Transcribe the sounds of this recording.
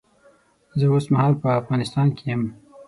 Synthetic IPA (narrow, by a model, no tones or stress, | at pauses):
zəosmahɑlpəafɣɑnɪst̪ɑnkʰejəm